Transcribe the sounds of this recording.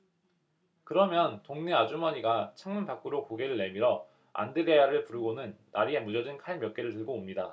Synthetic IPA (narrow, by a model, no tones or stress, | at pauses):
kɯɾʌmjʌntoŋne̞ad͡ʑumaɲiɡat͡ɕʰaŋmɯnpak͈ɯɾokoɡe̞ɾɯɭːe̞miɾʌ | a̰ndɯɾe̞jaɾɯɭpuɾɯɡonɯnːaɾie̞mud͡ʑʌd͡ʑinkʰaɭmjʌk͈e̞ɾɯɭtɯɭɡoːmɲida̰